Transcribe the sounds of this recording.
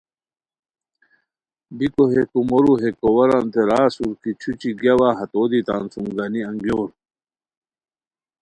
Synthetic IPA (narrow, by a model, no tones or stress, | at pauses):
bikoɦekumoɾuɦekowɐɾant̪ʰeɾaːsuɾkit͡ɕʰut͡ɕiɡjɐwaːɦɐt̪oːd̪it̪a̰ːnsuŋɡɐniɐŋɡjoːɾ